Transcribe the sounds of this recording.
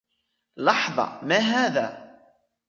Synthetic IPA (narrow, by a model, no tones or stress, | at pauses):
lɑħðˤɑ̰maːɦaːðaː